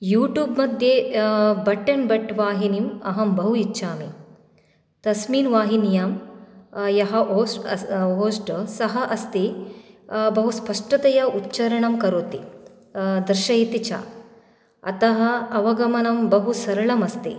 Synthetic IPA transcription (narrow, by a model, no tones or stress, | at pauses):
juːʈjuːbmɐd̪ʱjebɐʈːɐnbɐʈːʋaːɦinimɐ̰ɦɐmbɐɦuitːʃʰaːmi | t̪ɐsmiːnʋaːɦinijaːm | jɐɦɐoːsɦoːsʈsɐɦɐʔɐst̪i | bɐɦuspɐʂʈɐt̪ɐjɐutːt͡ʃɐɾɐɳɐmkɐɾoːt̪i | d̪ɾʃɐjit̪it͡ʃʰa̰ | ɐ̰t̪ɐɦɐ̆ɐʋɐɡɐmɐnɐmbɐɦusɐɾɐɭɐmɐst̪i